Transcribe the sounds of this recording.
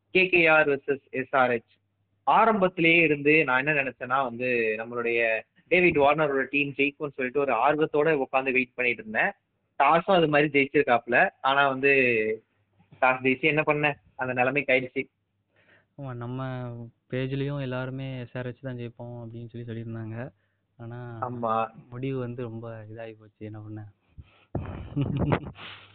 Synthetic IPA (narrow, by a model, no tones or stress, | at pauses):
keːkeːaːɾʋɛsɛsɛsaːɾɛt͡ʃː | aːɾɐmbɐt̪ːɪlɐjeːɪɾɯnd̪ɯnãːɛnːɐnɪnɛt͡ʃːɛ̃ːnːaːʋɐnd̪ɯnɐmːɐɭɯɽɐjɐ | ɖeːʋɪɖʋaːɾnɐɾɔɽɐɐʈiːmd͡ʒeɪkonːɯsɔlːɪʈːɯɔɾɯaːɾɯʋɐt̪ːoːɽɐʊkːaːnd̪ɯʋeːʈ̚pɐɳːɪʈːɾɯnːɛ̃ | ʈaːsɐ̃ɐðɯmaːd̪ɾid͡ʒɛjt͡ʃːɪɾɯkːaːpːɪlɐaːnaːʋɐnd̪ɯ | ʈaːsd͡ʒɛjt͡ʃĩɛnːɐpɐɳːɛ̃ | ɐnd̪ɐnɛlɐmeːkɐjɪɽɯt͡ʃːi | aːmaːnɐmːɐpeːd͡ʒɪlɐjʊ̃ɛlːaːɾɯmeːseːɾɐt͡ʃːɯt̪ãːd͡ʒɛjpːõːɐpːɐɽɪnːɯsɔlːisɔlːɪɾɯnd̪aːŋɡɐ | aːnaːaːmaːmʊɽɪʋɯʋɐnd̪ɯɾɔmbɐɪðaːjipoːt͡ʃːɯɛnːɐpɐɳːɐ